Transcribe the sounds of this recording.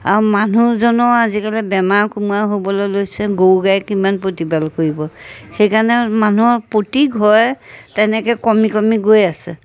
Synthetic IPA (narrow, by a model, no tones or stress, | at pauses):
aɹumanuzɔnɔazikalɛbɛmaɹkumuaɦobɔlɔjlojsɛɡowɡajkimanpotibalkoɹibɔxejkanɛmanuɔpotiɡʱɦɔjtɛnɛkɛkɔmikɔmiɡojasɛ